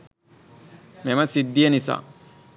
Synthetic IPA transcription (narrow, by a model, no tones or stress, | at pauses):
mɛmɐsɪd̪ːijɐnɪsa̰